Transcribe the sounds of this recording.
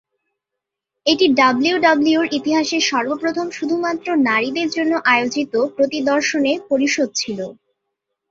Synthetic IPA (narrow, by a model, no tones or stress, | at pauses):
eʈiɖabliuɖabliuɾʔit̪iɦaʃeɾʃɔɾbopɾot̪ʰomʃud̪ʱumat̪ːɾonaɾid̪eɾd͡ʑonːoʔaeod͡ʑit̪opɾot̪id̪ɔɾʃonepoɾiʃod̪̚t͡ɕʰilo